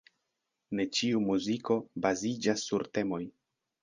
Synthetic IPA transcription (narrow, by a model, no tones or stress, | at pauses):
ne̞t͡ʃiumuziko̞bazid͡ʒasːuɾte̞mo̞j